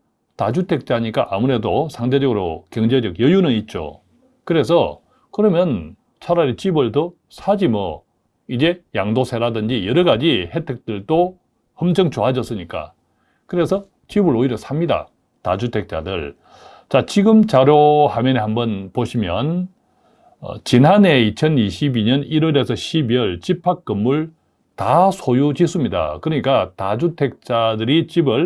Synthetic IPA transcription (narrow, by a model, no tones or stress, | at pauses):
tad͡ʑutʰe̞k̚t͡ɕ͈aɲik͈a̰ʔamuɾe̞dosʰaŋde̞d͡ʑʌɡɯɾo̰kjʌŋd͡ʑe̞d͡ʑʌɡjʌjunɯnit̚t͡ɕ͈o̰ | kɯɾe̞s̬ʰʌ | kɯɾʌmjʌn | t͡ɕʰaɾaɾet͡ɕibɯɭtʌ | sʰad͡ʑimʌ | id͡ʑe̞jaŋdosʰe̞ɾadɯnd͡ʑijʌɾʌɡad͡ʑihe̞tʰek̚t͈ɯɭdo | hʌmd͡ʑʌŋt͡ɕoɦad͡ʑʌs͈ɯɲik͈a̰ | kɯɾe̞sʰʌ | t͡ɕibɯɾoiɾʌsʰamɲida̰ | tad͡ʑutʰe̞k̚t͡ɕ͈a̰dɯ̰ɭ | t͡ɕat͡ɕiɡɯmt͡ɕaɾjohamjʌnehambʌnpoɕʰimjʌ̰n | ʌ̰t͡ɕinɦane̞it͡ɕʰʌniɕʰibiɲʌniɾʌɾe̞sʰʌɕʰibiʌɭt͡ɕipʰak̚k͈ɯmːuɭ | tasʰojut͡ɕis͈ɯmɲida̰kɯɾʌɲik͈atad͡ʑutʰe̞k̚t͡ɕ͈adɯɾit͡ɕibɯɭ